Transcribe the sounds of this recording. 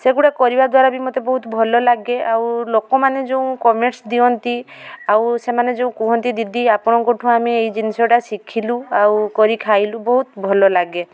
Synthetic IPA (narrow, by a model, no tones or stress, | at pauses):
seɡuɽakɔɾibad̪waɾabimɔt̪ebɔɦut̪bʱɔlɔlaɡeʔawlokɔmaned͡ʒeũkɔmeʈsd̪iɔnt̪i | awsemaned͡ʒeũkɔɦɔnt̪id̪id̪iapɔɽ̃ɔkoʈʰũamiejd͡ʒinisɔʈasikʰiluawkɔɾikʰajlubɔɦut̪bʱɔlɔlaɡe